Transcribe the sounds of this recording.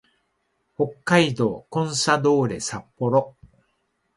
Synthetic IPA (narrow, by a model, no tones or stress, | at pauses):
ho̞kːaid̪o̞ːkõ̞ɰ̃sad̪o̞ːɾe̞̰sapːo̞ɾo